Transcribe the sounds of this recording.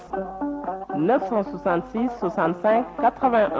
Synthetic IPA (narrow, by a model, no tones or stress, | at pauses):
nœfsɑ̃swasɑ̃t̪sisːwasɑ̃t̪sɛ̃kʰːat̪χəvɛ̃ʔ